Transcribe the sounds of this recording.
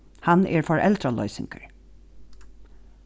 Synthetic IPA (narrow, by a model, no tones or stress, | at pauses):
hanɛɹfɔɹʔɛld̪ɾalœ̰ʏsɪŋkəɹ